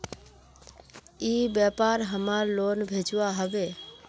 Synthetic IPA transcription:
iːbjɛpaɾɦəmaɾloːnbʱed͡ʒʋaɦəʋe

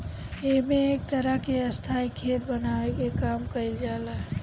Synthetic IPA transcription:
emeːk̚t̪əɾəɦkeəst̪ʰaikʰet̪bənawekekamkəild͡ʒala

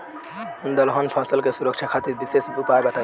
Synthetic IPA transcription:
und̪əlɦɔnpʰɔsəlkesuɾək̚t͡ʃʰakʰat̪iɾbisesupaebət̪a

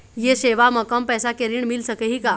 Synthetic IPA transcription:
jeɕeʋaməkəmpɛsakeɾiːɳmilsəkəɦiːka

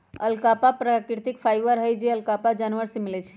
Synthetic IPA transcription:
əlkapapɾakɾt̪ikpʰajʋəɾɦəjd͡ʒeəlkapad͡ʒanʋəɾsemilɛt͡ʃʰɛ̥

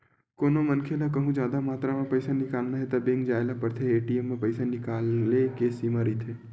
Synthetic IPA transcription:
koːnomɐnkʰelak̬ɐɦũd͡ʒjaːd̪amaːt̪ɾamɐ̃pɐɪsanɪkaːlnaɦet̪abẽːŋɡd͡ʒaːelapɐɾt̪ʰeeːʈiemːẽpɐɪsanɪkaːlːekesimaːɾit̪ʰeː

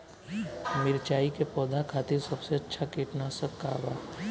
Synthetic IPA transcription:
mɪɾt͡ʃaːikepɔːd̪ʱakʰaːt̪ɪɾsɐbseɐtːʃʰakiːʈnasəkːa̰ːbaː

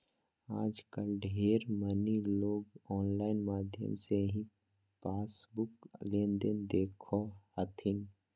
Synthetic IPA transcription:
aːd͡ʒkəlɖʱeːɾməniloːɡɔːnlaːɪnmaːd̪ʱjə̰mseɦĩ | paːsbʊklẽːnd̪ənd̪eːkʰohət̪ʰin

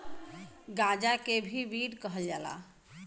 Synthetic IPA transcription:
ɡad͡ʒakebʱiʋiɽkəɦəld͡ʒala̰

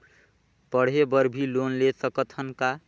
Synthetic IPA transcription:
pəɽ̤ɦebəɾbʱilonlesəkət̪hənka

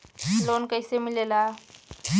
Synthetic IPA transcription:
lonkəjsemilela

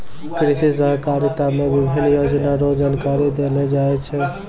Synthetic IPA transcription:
kɾisisəɦkaɾit̪amebibʱinjod͡ʒnaɾod͡ʒankaɾid̪elɛd͡ʒaɛt͡ʃʰɛ

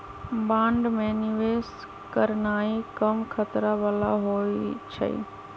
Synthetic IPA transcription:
bãːɳɖmẽnɪʋeːs | kəɾnaːikɐmkʰət̪ɾaʋaːla̰ɦoːit͡ʃʰɐ̰ḭ

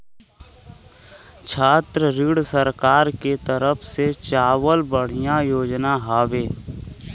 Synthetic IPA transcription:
t͡ʃʰaːt̪ɾəɾɪɽsəɾkaːɾket̪əɾəpʰset͡ʃaːwəlbəɽ̤ijãjoːd͡ʒnaɦaːʋeː

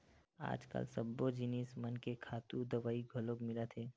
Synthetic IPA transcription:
a̰ːd͡ʒkə̰lsəbːod͡ʒɪnismənkekʰaːt̪ud̪ɐʋaːiɡʱolokmɪlat̪ʰeː

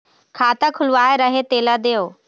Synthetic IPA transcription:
kʰaːt̪əkʰʊlʊʋaːeɾɐɦet̪eːləd̪eːjoː

